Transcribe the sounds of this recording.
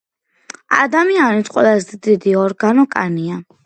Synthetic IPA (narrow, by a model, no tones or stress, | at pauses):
a̰d̪amianit̪ʰqʼwɛ̰lˠazɛd̪id̪iɔɾɡanɔkʼania